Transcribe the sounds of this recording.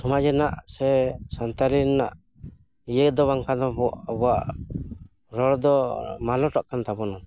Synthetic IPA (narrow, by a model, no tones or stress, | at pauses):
sɔmad͡ʒɛnaʔsɛsant̪aɾinaʔ | ijəd̪ɔbaŋkanɔbɔʔabɔaʔ | ɾɔɽd̪ɔmalɔʈɔʔkant̪abɔnɔn